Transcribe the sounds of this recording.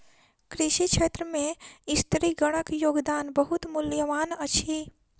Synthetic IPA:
kɾiʃikt͡ʃʰeːt̪ɾəmẽɪst̪ɾiɡəɽ̃əkjoːɡd̪aːnbəɦut̪mʊljəʋaːnət͡ʃʰi

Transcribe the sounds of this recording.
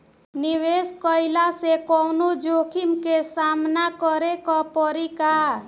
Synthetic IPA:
niʋeskɔjlasekɔwnod͡ʒokʰimkesamnakɔɾekɔpɔɾika

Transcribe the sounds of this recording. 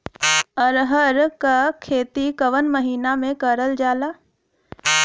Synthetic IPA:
əɾɦəɾkakʰeːt̪ikəʋənməɦiːnamẽkəɾəld͡ʒaːlaː

